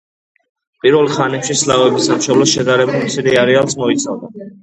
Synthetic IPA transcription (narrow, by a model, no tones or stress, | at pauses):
pʼiɾvɛlˠχanɛpʃislavɛbisamʃɔblɔsʃɛd̪aɾɛbimsiɾiaɾialˠsmɔit̪sʰavd̪a